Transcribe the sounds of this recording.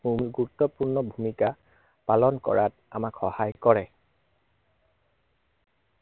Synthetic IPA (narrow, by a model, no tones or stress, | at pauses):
bʱumɡuɹutːɔpuɹnɔbʱumika | palɔnkɔ̰ɹat̚ | a̰makxɔhajkɔɹɛ